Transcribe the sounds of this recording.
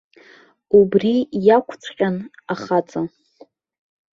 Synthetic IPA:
ubrijakʷʰt͡sʷʰqʲʼanaχat͡sʼa

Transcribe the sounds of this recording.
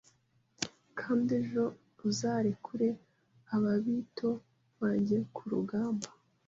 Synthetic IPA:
kʰaːndeʒo̞ | uzaːɾekʰuɾe̞ | aβaβiːtʰo̞ | βaːɲɟekʰuɾṵɡaːmba

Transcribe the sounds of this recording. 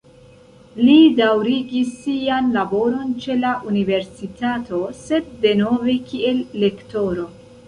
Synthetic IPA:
lidawɾiɡisːianlabo̞ɾo̞nt͡ʃe̞laʔunive̞ɾsitato̞se̞d̚ːe̞no̞ve̞kie̞lːe̞kto̞ɾo̞

